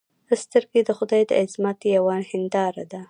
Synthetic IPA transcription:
əst̪əɾɡed̪əxʊd̪ɑjd̪ə̰ʔɪzmɑt̪jawɑnhɪnd̪ɑɾa̰d̪a

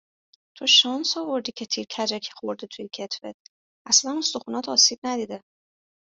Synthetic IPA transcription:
t̪ʰo̞ʃɒnsɒvo̞ɾd̪icʰe̞t̪ʰiːɾcʰæd͡ʒæcʰi̥xo̞ɾd̪it̪ʰujecʰe̞t̪ʰvḛt̪̚ʰ | ʔæslænost̪oxunɒt̪ʰɒːsiːb̥̚næd̪iːd̪e

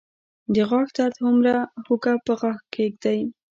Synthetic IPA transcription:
d̪əɣɑxt̪aɾt̪hʊmɾahukapəɣɑxkeɡd̪aj

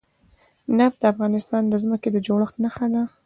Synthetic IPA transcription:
nap̚d̪əafɣɑnɪst̪ɑnd̪əzməked̪əd͡ʒoɽəxt̪naxad̪a

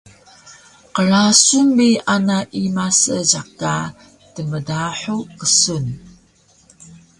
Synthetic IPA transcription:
qəɾasumːianaʔimasəɟaq̚ka | təmədaħukəsun

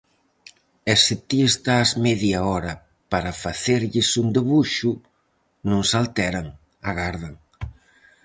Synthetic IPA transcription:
ɛsɪt̪iest̪azmɛðjaɔɾɐ | paɾafaθeɾʎɪsund̪eβuʃu | nũŋsalt̪ɛɾaŋ | a̰ɣaɾðaŋ

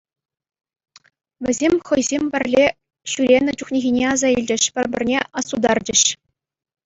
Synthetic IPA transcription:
ʋʲɘ̆zʲemʲχɤ̆jzʲemʲbʲɘ̆rʲlʲe | ɕyɾʲenʲɘ̆t͡ɕuχnʲeɣʲinʲeɑzɑilʲd͡ʑɘ̆ɕpʲɘ̆rʲbʲɘ̆rʲnʲeɑsud̪ɑrd͡ʑɘ̆ɕ

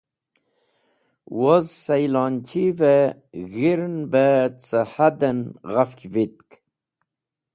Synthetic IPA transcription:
wozsajlɑnt͡ɕʰiveɣiɾnbət͡səhad̪ənɣaft͡ɕvit̪̚k

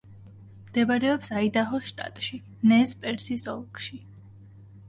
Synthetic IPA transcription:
md̪̥ɛbaɾɛɔpsaid̪aɦɔʃt̪ʼa̰t̪ʼʃi | nɛzpʼɛɾsisɔlˠkʼʃi

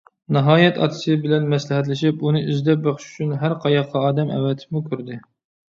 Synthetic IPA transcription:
nɑɦɑːjɛt̪ʰɑ̰t̪ʰɨ̥sɨbɪlɛnmɛslɪɦɛt̪lɪʃipunɨʔyzd̪ɛp̚bɑχʃy̥t͡ʃʰynɦæɾqʰɑjɑqʰːɑɑːd̪ɛmɛ̰wɛt̪ʰɪ̥mukʲʰøɾd̪ɪ

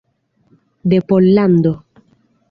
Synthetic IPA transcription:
d̪epolːand̪o

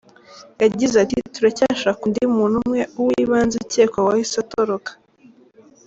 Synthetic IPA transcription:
jaɟizatituɾacaːʃakundimuːn̥umŋe̞uwiβaːnziceːkowahisatoɾokḁ

